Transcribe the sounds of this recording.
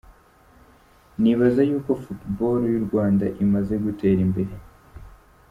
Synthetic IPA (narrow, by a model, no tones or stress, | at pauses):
niβazajuːko̞futbo̞ːlojuɾɡwaːndaʔimaze̞ɡute̞ːɾimbe̞ɾe̞